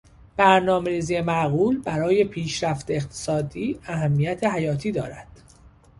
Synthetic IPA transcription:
b̥æɾnɒːme̞ɾiːziːjemæɣuːlbæɾɒːje̞pʰiːʃɾæft̪eeqt̪ʰe̥sɒːd̪iːæɦæmːijæt̪ʰe̞ɦæjɒːt̪ʰiːd̪ɒ̰ːɾæd̪̥

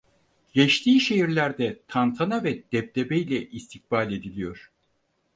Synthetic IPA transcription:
ɟɛt͡ʃt̪ʰiːʃe̞ɦiɾlʲæɾd̪ɛt̪ʰant̪ʰanavɛd̪̥ɛp̚d̪ebejlʲɛʔist̪ʰik̚baːlʲe̞d̪ilʲijo̞ɾ̥

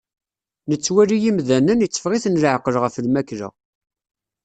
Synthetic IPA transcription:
nət͡sːwæɾijimðænənit͡sːə̥fʁiθnlʕqəlʁəfəlmækɾə̰ʁ

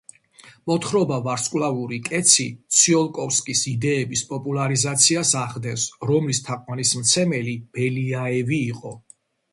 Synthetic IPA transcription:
mɔt̪ʰχɾɔbavaɾskʼwlˠauɾikʼɛt̪sʰit̪sʰiɔlˠkʼɔfskʼisid̪ɛːbispʼɔpʼulˠaɾizat̪sʰiasaχd̪ɛnsɾɔmlist̪ʰaqʼwanismt̪sʰɛmɛlib̥ɛliaɛviːqʼɔ

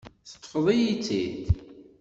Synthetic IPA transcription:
θə̥t̪ˤːəfðˤijit͡sːid̪

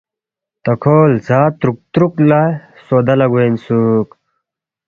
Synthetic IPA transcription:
t̪ɐkʰoːlzaːt̪ɾuk̚t̪ɾuklaj | soːd̪ɐlɐɡuensuk

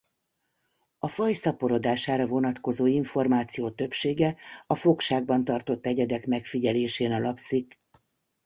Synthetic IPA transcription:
ɒfɒjsɒpo̞ɾo̞d̪aːʃaːɾɒvo̞nɒt̪ko̞zoːiɱfo̞rmaːt̪sijoːt̪ø̞pʃeːɡɛɒfo̞kʃaːɡ̚bɒnt̪ɒrt̪o̞t̪ːɛɟɛd̪ɛkmɛkfiɟɛleːʃeːnɒlɒpsik

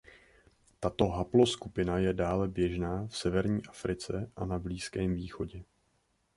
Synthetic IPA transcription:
t̪at̪o̞ɦaplo̞skupɪnajɛdaːlɛbjɛʒnaːfsɛvɛɾɲiːʔafɾɪt͡sɛʔanabliːskɛːmviːxo̞ɟɛ

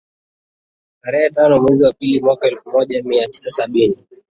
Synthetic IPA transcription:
taɾɛhɛtanɔmwɛziwapilimwakaɛlfumɔʄamiati̥sasaɓini

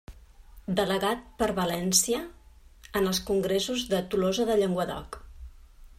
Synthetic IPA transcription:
d̪ələɣat̪̚pəɾβəlɛnsiəː | nəlˠskuŋɡɾesuzðət̪ulɔzəðəʎeŋɡwəðɔ̰k

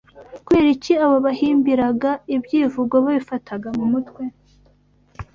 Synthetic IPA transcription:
kueːɾiciaβoβahiːmbiɾaɡaibɟiːvuɡoβaβifatʰaɡamumutkwe

